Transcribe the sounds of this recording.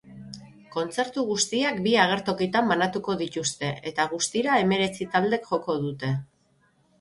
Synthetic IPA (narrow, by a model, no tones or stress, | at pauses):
ko̞nt͡se̞ɾt̪uɣust̪iakbiaɣ̞e̞ɾt̪o̞kit̪ambanat̪uko̞ðit̪ust̪e̞ʔet̪aɣ̞ust̪iɾae̞me̞ɾe̞t͡sit̪ald̪e̞kʝo̞ko̞ðut̪e̞